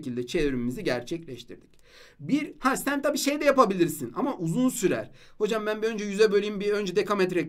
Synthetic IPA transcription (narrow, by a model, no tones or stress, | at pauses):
cilʲd̪ɛt͡ʃʰevɾimmiziɟæɾt͡ʃʰɛclʲɛʃt̪ʰḭɾd̪ic | biɾhasænt̪ʰabiːʃe̞jd̪ɛjapabilʲiɾsina̰maʔuzunsyɾæ̰ɾ̥ho̞d͡ʒambænbiø̞nd͡ʒɛjyzɛbølʲijimbiø̞nd͡ʒɛd̪ekʰamɛt̪ɾɛ